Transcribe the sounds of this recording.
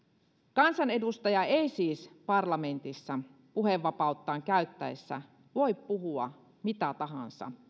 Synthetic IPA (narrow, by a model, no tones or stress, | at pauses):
kɑnsɑne̞dust̪ɑjɑejsiːspɑrlɑme̞nt̪isːɑ | puheʋːɑpɑut̪ːɑːŋkæyɥt̪ːæesːæ̰ | ʋo̞jppuɦuɑ̰ | mit̪æt̪ɑɦɑ̰nsɑ̰